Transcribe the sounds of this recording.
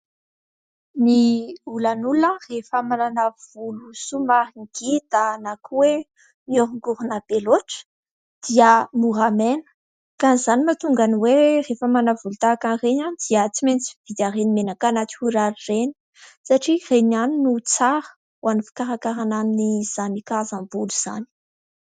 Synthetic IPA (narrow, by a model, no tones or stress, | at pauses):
niulanulərefəmananav̥ulusumaɦiŋɡ̥id̪̥anakuwe | mioɾuŋɡuɾunab̥eloʈ͡ʂə̥ | d̪̥iəmuɦamenə̥ | kanizanimat̪uŋɡaniwerefəmanavulut̪akanreɲanid̪̥iət͡siment͡si̥v̥id̪aɾenimenakanat͡si̥huɾaɾireni̥ | saʈ͡ʂirenaninut͡saɾə̥ | wanifi̥kaɾakaɾananiniz̥anikazambuluz̥a̰ni̥